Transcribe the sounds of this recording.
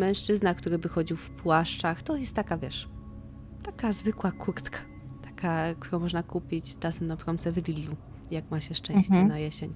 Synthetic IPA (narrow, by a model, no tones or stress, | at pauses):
mɛ̃w̃ʂt͡ʂɘznak̚t̪uɾɘbɘxɔd͡ʑiwfpwaʂt͡ʂaxt̪ɔjɛst̪ːakavʲjɛʂ | t̪akazvɘkwakʰuɾt̪kʰḁ | t̪ʰḁkʰakt̪uɾɔ̃w̃mɔʐnakupʲit͡ɕt͡ʂasɛmnapɾɔmt̪sɛvlʲilʲːu | jakmaɕɛʂt͡ʂɛ̃ɕt͡ɕɛnajɛɕeɲ